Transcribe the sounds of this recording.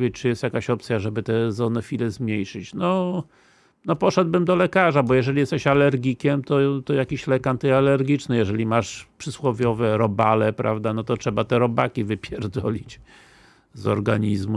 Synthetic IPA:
vʲet͡ɕt͡ʂɨjɛst̪jakaɕɔpt̪sʲjaʐɛbɘt̪ɛzɔnɛfʲilɛzmʲɲejʂɘt͡ɕnɔ | nɔpɔʂɛd̪̚bɘmd̪ɔlɛkaʐabɔjɛʐɛlʲijɛst̪ɛɕalɛɾɡʲikʲɛmt̪ɔt̪ɔjakʲiɕlɛkant̪ɨalɛɾɡʲit͡ʂnɘjɛʐɛlʲimaʂpʂɘswɔvʲjɔvɛɾɔbalɛpɾʔa̰vd̪anɔt̪ɔtʂɛbat̪ɛɾɔbakʲivɘpʲjɛɾd̪ɔlʲit͡ɕ | zɔ̰ɾɡaɲizmu

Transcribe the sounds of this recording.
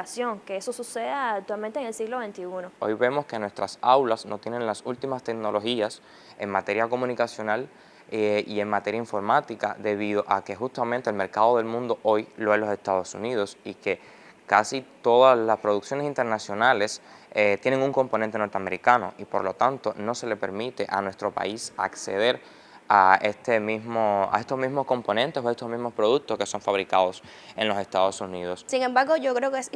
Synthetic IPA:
asjo̞ŋkeesosuseðaːk̚t̪walmẽnt̪eŋelsiɣloβe̞nt̪iunoo̞̰jβe̞mo̞ske̞nwe̞st̪ɾasawlasno̞t̪je̞nẽŋlasult̪imast̪ekno̞lo̞xias | e̞ŋmat̪e̞ɾjako̞mũnikasjo̞nal | ie̞ŋmat̪e̞ɾjaiɱfo̞ɾmat̪ika̰ðe̞β̞iðo̞ʔake̞xust̪amẽnt̪elme̞ɾkað̞o̞ðe̞lmũnd̪o̞ʔo̞jloelo̞se̞st̪að̞o̞sunið̞o̞sike̞ | kasit̪o̞ðaslaspɾo̞ðuksjo̞nesint̪e̞ɾnasjo̞nale̞set̪jeneŋuŋko̞mponẽnt̪eno̞ɾt̪eame̞ɾikano̞̰ʔipo̞̰ɾlo̞t̪ant̪o̞no̞se̞le̞pe̞̰ɾmit̪e̞ʔanwe̞st̪ɾo̞pa̰isa̰kse̞̰ð̞e̞ɾ | aest̪emizmoa̰est̪o̞zmizmo̞sko̞mpo̞nẽnt̪esoest̪osmizmospɾo̞ð̞uk̚t̪oske̞so̞ɱfaβɾikaðo̞s | e̞ŋlo̞se̞st̪aðosunið̞o̞ssiŋẽmbaɾɣoʝokɾeokes

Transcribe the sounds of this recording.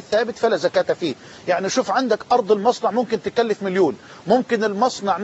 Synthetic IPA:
ɪθːaːbɪt̪falazakaːt̪afiː | jaʕniʃuːfʕand̪akʔɑɾˤd̪ˤɪlmɑsˤnɑʕmʊmkɪnt̪ɪkalːɪfmɪljuːn | mʊmkɪnɪlmɑsˤnɑʕn

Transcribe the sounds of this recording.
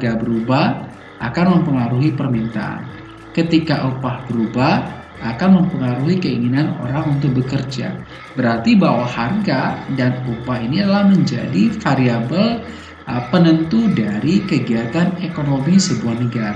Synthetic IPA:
ɡabəɾubah | ʔakanməmpəŋaɾuɦipərmint̪a̰ʔa̰n | kət̪ikaʔupahbəɾubah | ʔakanməmpəŋaɾuɦikəiŋinano̰ɾaŋunt̪ʊk̚bəkərd͡ʒa̰ | bəɾart̪ibawaharɡadanupaɦiniadalahməɲd͡ʒa̰difaɾiabəl | pənənt̪udaɾikəɡiɦat̪anekonomisəbuahnəɡaɾa

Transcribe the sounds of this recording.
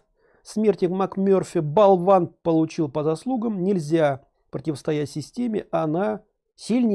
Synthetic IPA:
smʲertʲɪkmakmʲorfʲɪbɐlˠvanpəlˠʊt͡ɕilˠpəzɐslˠuɡəmnʲɪlʲzʲa | pɾətʲɪvəst̪ɐjætʲsʲɪsʲtʲemʲɪʔɐna | sʲilʲnʲɪ

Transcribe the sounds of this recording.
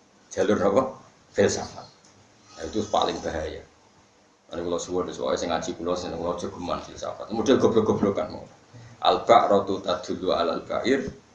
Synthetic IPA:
dd͡ʒ̥a̤lʊrnɔpɔ | fɪlsa̰fat̪̚ | nait̪upa̰lɪŋb̥aɦaja | anikulɔwsuwɔdəswɔ̰ɛsɪŋḁt͡ʃikulɔsankulɔ̥d͡ʒ̥ə̤ɡ̥ə̤manfilsa̰fat̪mud̥alɡ̥ɔblɔɡɔ̤blokanmɔ̰la | ʔa̰lb̥aʔrɔt̪ut̪ad̪̥ṳlua̰la̰lb̥a̰ʔɪr

